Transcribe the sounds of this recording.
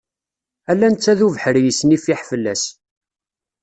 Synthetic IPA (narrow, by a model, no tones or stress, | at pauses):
ælːænt͡sːæðuvəħəɾjəsnifiħfəlːæs